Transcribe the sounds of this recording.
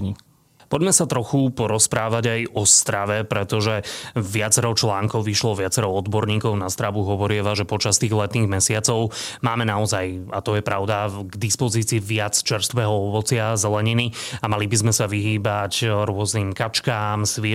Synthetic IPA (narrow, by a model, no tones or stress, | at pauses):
i | pɔɟmɛsat̪ɾɔxupɔɾɔspɾaːʋaɟajɔst̪ɾaʋɛpɾɛt̪ɔʒɛʋɪat͡sɛɾɔt͡ʃlaːŋkɔʊʋiʃlɔʋɪat͡sɛɾɔʊɔd̪bɔɾɲiːkɔʊnast̪ɾaʋuɦɔʋɔɾɪɛʋaʒɛpɔt͡ʃast̪iːɣlɛt̪niːɣmɛsɪat͡sɔʊmaːmɛnaɔzajat̪ɔjɛpɾaʊd̪aɡd̪ispɔziːt͡siːʋɪat͡st͡ʃɛɾst̪ʋɛːɦɔɔʋɔt͡sɪazɛlɛɲiniamalibizmɛsaʋiɦiːbacɾʊɔzniːmkat͡ʃkaːmsʋɪɛ